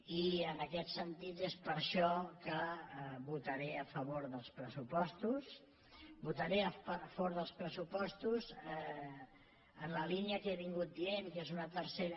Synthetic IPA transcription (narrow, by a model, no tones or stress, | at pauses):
iənəkɛt̪sənt̪it̪espəɾʃɔkəβut̪əɾeəfəβoɾðəlˠspɾəsupɔst̪us | but̪əɾeəfβoɾðəlˠspɾəsupɔst̪uz | ənləliniəkeβiŋɡut̪̚dienkezunət̪əɾseɾ